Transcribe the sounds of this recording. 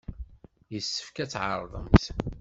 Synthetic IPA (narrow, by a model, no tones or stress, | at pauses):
jəsːə̥fkæt͡sːʕɑɾˤðˤə̰mt̪